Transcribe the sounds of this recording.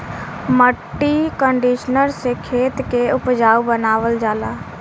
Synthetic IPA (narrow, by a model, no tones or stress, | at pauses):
məʈːikə̃ɳɖiːʃnəɾsekʰeːt̪keʊpd͡ʒaːubənaːʋəld͡ʒaːlaː